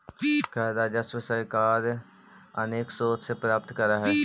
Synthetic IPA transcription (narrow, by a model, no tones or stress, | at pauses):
kaːd̪ad͡ʒɐsʋɪsaɪkaːɾ | ɐneːksoːt̪sepɾaːp̚t̪kɐɾaɦɛː